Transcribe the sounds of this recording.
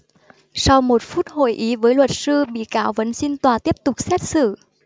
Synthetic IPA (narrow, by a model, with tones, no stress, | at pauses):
sa˧wmo˨˩t̚fu˦˥t̚ho̰˧˨jʔi˨˦vəː˨˦jlwə˨˩t̚sɨ˧ɓḭ˧˨kaː˨˦wvə̰˧˨˥nsi˧nt̪waː˨˩t̪i˦˥əp̚t̪ʊ˨˩k͡p̚sɛ˦˥t̚sɨ̰˧˨